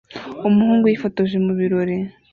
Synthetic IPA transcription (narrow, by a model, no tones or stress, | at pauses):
umuhuːŋɡujifotoʒemuβiɾo̞ɾe